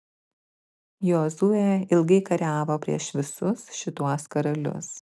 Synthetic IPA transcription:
joːzuːjɛɪlˠɡɐɪkɐɾʲæːʋoːpʲɾʲḭɛʃʋʲɪsʊsʃʲɪt̪uɔskɐɾɐlʲʊ̰s

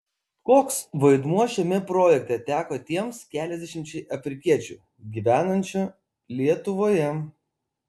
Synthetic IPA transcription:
koːksʋɐɪd̪muɔʃʲɛmʲɛpɾoːjɛk̚t̪ʲɛt̪ʲæːkoːt̪ʲiɛmskʲæːlʲɛzʲd̪ʲɛʃʲɪmʲt͡ʃʲɛɪʔɐfʲɾʲɪkʲiɛt͡ʃʲṵːˑ | ɡʲiːʋʲæːnɐnʲt͡ʃʲʊ | lʲiɛt̪ʊʋoːjɛ

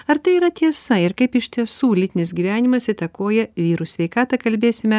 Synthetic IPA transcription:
ɐɾt̪ɐɪiːɾɐt̪ʲiɛsɐɪɾkɐɪpɪʃʲt̪ʲiɛsuːlʲɪt̪ʲɪnʲɪsɡʲiːʋʲæːnʲɪmɐsɪt̪ɐkoːjɛʋʲiːɾuːsʲʋʲɛɪkɑːt̪ɐkɐlʲbʲeːsʲɪmʲɛ

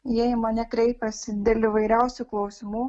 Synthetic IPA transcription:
jɛmɐnʲɛkɾʲɛɪpʲɛsʲɪd̪ʲeːlʲɪʋɐɪɾʲɛʊsʲʊklˠɐʊsʲɪmuː

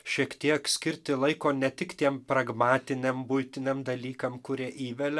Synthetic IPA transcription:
ʃʲiɛkt̪ʲiɛksʲkʲɪɾʲt̪ʲɪlˠɐɪkoːnʲɛt̪ʲɪkt̪ʲiɛmpɾɐɡmɑːt̪ʲɪnʲɛmbujt̪ʲɪnʲɛmd̪ɐlʲiːkɐmkʊɾʲiɛʔiːʋʲɛlʲɛ

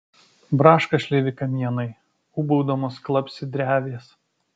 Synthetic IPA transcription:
bɾɑːʃkɐʃʲlʲeːʋʲɪkɐmʲiɛnɐɪ | uːbɔʊd̪oːmoːsklˠɐpʲsʲɪd̪ʲɾʲæːʋʲeːs

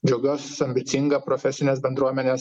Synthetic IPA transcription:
d͡ʒʲoːɡʲoːsɐmʲbʲɪt̪sʲɪŋɡɐpɾɔfʲɛsʲɪnʲeːs̬bʲɛnd̪ɾuɔmʲɛnʲeːs

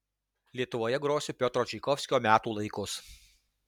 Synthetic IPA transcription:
lʲiɛt̪ʊʋoːjɛɡɾoːsʲʊpʲot̪ɾoːt͡ʃʲikɔfʲsʲkʲoːmʲæːt̪uːlˠɐɪkʊs

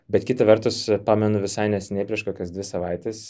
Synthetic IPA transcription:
bʲɛt̪kʲɪt̪ɐʋʲɛɾt̪ʊspɑːmʲɛnʊʋʲɪsɐɪnʲɛsʲɛnʲɛɪpɾʲiɛʃkoːkʲosd̪ʲʋʲɪsɐʋɐɪt̪ʲes

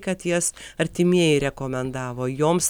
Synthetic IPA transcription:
kɐt̪jɛsɐɾʲt̪ʲɪmʲiɛjɛɪɾʲɛkoːmʲɛnd̪ɑːʋoːjoːms

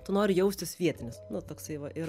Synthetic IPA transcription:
t̪ʊnoːɾʲɪjɛʊsʲt̪ʲɪsʋʲiɛt̪ʲɪnʲɪsnʊt̪oːksɐɪʋɐʔɪɾ

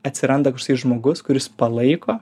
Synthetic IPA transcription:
ɐt̪ʲsʲɪɾɐnd̪ɐkɐʃkʊsɐɪʒmoːɡʊskʊɾʲɪspɐlˠɐɪkoː

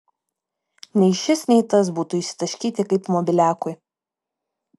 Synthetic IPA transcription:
nʲɛɪʃʲɪsnʲɛɪt̪ɐsbuːt̪ʊɪʃʲsʲɪ̥t̪ɐʃʲkʲiːt̪ʲɪkɐɪpmɔbʲɪlʲæːkʊj

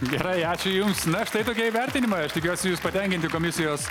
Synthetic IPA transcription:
ɡʲɛɾɐɪɑːt͡ʃʲʊjʊmsnɐɐʃt̪ɐɪt̪oːkʲiɛiːʋʲɛɾʲt̪ʲɪnʲɪmɐɪɐʃt̪ʲɪkʲuɔsʲɪjuːspɐt̪ʲɛŋʲkʲɪnt̪ʲɪkoːmʲɪsʲɪjoːs

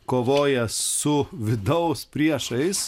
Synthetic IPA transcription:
koːʋoːjɛssʊʋʲɪd̪ɐʊspʲɾʲiɛʃɐɪs

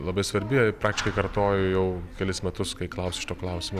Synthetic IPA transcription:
lˠɐbɐɪsʋɐɾʲbʲɪpɾɑːkt̪ʲɪʃʲkɐɪkɐɾt̪oːjʊjɛʊkʲɛlʲɪsmʲɛt̪ʊskɐɪklˠɐʊsʲʃʲɪ̥t̪oːklˠɐʊsʲɪmoː

